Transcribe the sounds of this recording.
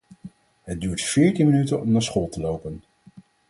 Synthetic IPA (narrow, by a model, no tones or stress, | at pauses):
ɦəd̚dyːɹtfɪːɹtinmənytənɔmnaːsχɔlˠtəlowpən